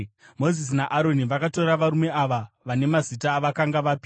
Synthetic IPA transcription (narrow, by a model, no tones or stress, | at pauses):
mo̞zis̬inaʔaɾo̞niʋakatorraʋaɾume̞aʋa | ʋane̞mazitaːʋakaŋɡaʋapi